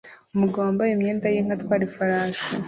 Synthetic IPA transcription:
omuɡaːmbajomɲeːndajiŋ̥hatwaːɾifaɾaːsa

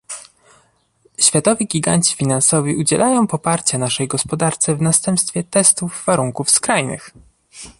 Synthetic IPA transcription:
ɕfʲjat̪ɔvʲiɡʲiɡa̰ɲt͡ɕi̥fʲinansɔvʲiʔud͡ʑɛlʔajɔ̃w̃pɔpaɾt͡ɕɛnaʂɛjɡɔspɔd̪aɾt̪sɛvnast̪ɛmpst̪fʲjɛt̪ɛst̪uvːaɾuŋkufskɾajnɘ̰x

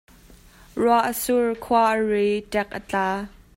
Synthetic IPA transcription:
ruaʔəsurkʰuaʔəretɛk̚ʔət͡ɬaː

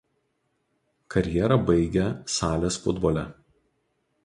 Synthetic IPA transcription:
kʰɐɾʲjɛːɾɐˑbɐɪɡʲɛsɑːlʲesfʊ̰d̪bɔːlʲɛ

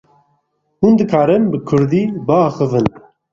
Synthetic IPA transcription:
hund̪ɨkʰaːɾɨmbɨkʰʊɾd̪iːbɨaːxɨvɨn

